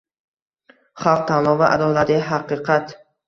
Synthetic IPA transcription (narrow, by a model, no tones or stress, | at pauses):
χɑlˠq̚t̪ʰanlˠɒvaʔa̰d̪ɒlad̪ɪɦaqɨqʰɑt̪